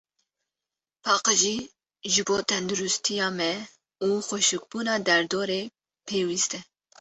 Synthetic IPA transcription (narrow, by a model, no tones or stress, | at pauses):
pʰɑːqɨʒiː | ʒɨboːt̪ʰɛnd̪uɾust̪ʰijɑːmɛ | uːxʷʊʃuk̚buːnɑːd̪ɛɾd̪oːɾeː | pʰeːwist̪ɛ